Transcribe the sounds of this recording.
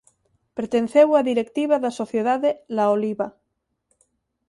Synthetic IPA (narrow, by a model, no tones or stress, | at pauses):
peɾt̪enθewaðiɾek̚t̪iβaðasoθjeðaðelaoliβa